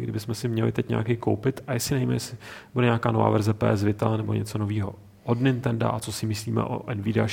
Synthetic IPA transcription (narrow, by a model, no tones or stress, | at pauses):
ɡdɪbɪsmɛsɪmɲɛlɪ̰t̪ɛcɲɛ̰akɛjkowpɪt̪ajɛsɪnajimɛ̰jɛsɪbudɛɲaːkaːnova̰ːvɛɾzɛpɛ̰ːz̬vɪt̪anɛboɲɛ̰t͡so̞noviːɦo̞ | ʔodnɪnt̪ɛnda̰ʔat͡so̞sɪmɪsliːmɛ̰ʔo̰ʔɛnvɪdɛa